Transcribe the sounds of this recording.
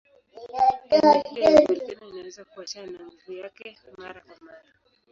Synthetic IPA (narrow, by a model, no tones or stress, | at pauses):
ilaaalianiiinawɛzakuat͡ʃanaŋuvujakɛ | maɾakwamaɾa